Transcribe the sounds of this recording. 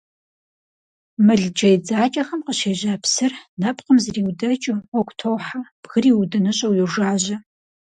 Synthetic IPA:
mɨɮd͡ʒɐjd͡zaːt͡ʃʼɐxɐmqəɕeːʑaːpsɨrnɐpʼqəmzriːwdɐt͡ʃʼɨɔkʷtʰowħab̥ɣɨriːwdɨnɨɕʼɐwjɪʒaːʑɐ

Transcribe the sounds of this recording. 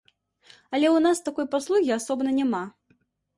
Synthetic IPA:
ɐlʲɛwnast̪akɔjpaslˠuɣʲiasɔbnɐnʲama

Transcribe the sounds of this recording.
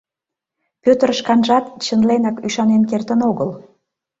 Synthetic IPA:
pʲøt̪ərəʃkɑnʒɑt̪t͡ɕənlenɑkyʃɑnenkert̪ənoɣəl

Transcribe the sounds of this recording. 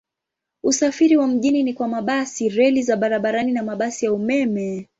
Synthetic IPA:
usafiɾiwam̩ʄininikwamaɓasiɾɛlizaɓaɾaɓaɾaninamaɓasijaumɛmɛ

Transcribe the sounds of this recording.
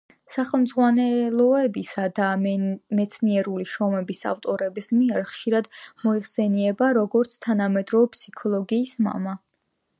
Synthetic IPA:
saχɛlˠmd̪zʁwanɛlˠɔɛbisad̪amɛt̪sʰniɛɾuliʃɔmɛbisa̰ft̪ʼɔɾɛbismiaɾχʃiɾad̪mɔiχsɛniɛbaɾɔɡɔɾt̪sʰt̪ʰanamɛd̪ɾɔpsi̥kʰɔlˠɔɡiːsma̰ma

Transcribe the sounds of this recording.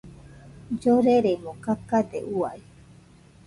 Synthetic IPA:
d͡ʒoɾeɾemõkakad̪ḛʔuai

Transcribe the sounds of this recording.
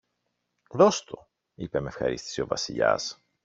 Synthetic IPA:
ðo̞st̪o̞ | ipemefxɐ̰ɾḭst̪i̥sio̞vɐsiʎɐ̰s

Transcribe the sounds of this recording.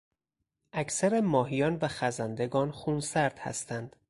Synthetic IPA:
ʔæcʰsæɾemɒːɦijɒːnvæxæzænd̪e̞ɡɒːnxuːnsæɾd̪̥hæ̰st̪ʰænd̪̥

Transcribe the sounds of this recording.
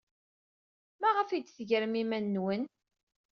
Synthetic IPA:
mæʁəfid̪θʝəɾmimænːwən

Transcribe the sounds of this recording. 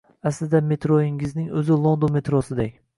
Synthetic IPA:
asɪzd̪ame̞t̪ɾoɪŋɪznɪŋɵzɪlˠond̪ome̞t̪ɾosɪd̪ekʲ

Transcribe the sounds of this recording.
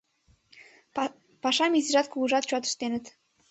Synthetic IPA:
pɑʃɑmʲizĭʒɑt̪kulɤʒɑt̪̚t͡ɕuɑt̪ə̥̆ʃt̪enə̆t̪

